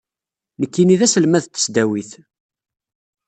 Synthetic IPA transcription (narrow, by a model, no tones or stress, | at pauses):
nəkːiniðæsəlmæðt̪ːə̥sd̪æwiθ